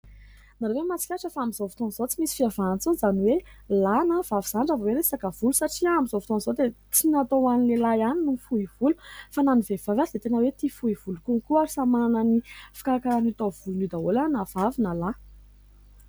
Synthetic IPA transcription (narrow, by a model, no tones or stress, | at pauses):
naɾewemat͡si̥kʲaʈ͡ʂəfaamizovut̪onzot͡simisi̥fiavant͡sunzaniwelanav̥aviz̥aɳɖ͡ʐavaweɾesakəv̥ulusaʈ͡ʂiamizovu̥t̪onzod̪e | t͡sinat̪owanilelajaninufuiv̥ulu̥fananivev̥avad̪et̪enəwet̪ifuiv̥ulukuŋkuaɾisamanənifḁkaɾakaɾanit̪ov̥ulunud̪aolanav̥avinəla